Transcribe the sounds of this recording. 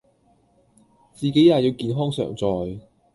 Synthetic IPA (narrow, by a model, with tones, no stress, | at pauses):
t͡siː˨˩ke˨˥jaː˨˩jiː˨˧wkiː˨˧nɦɔː˥ŋsœ̰ː˨˩ŋt͡sɔː˨j